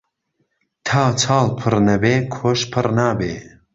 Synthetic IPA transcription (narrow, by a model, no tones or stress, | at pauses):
t̪ʰaːt͡sʰɑːlˠpʰɨɾnɐbeːkʰoʃpʰɨrnaːbeː